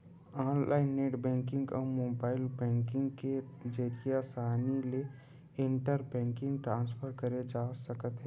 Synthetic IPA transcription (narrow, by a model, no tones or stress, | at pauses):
aːnlʔaːɪnːeʈbɛ̃ŋkɪ̃ŋɡɔːmoːbaːɪlbɛ̃ŋkɪ̃ŋɡked͡ʒəɾijasaːnile | ɪɳʈəɾbɛ̃ŋkɪ̃ŋɡʈɾãːnspʰəɾkəɾed͡ʒasəkət̪ɦɛ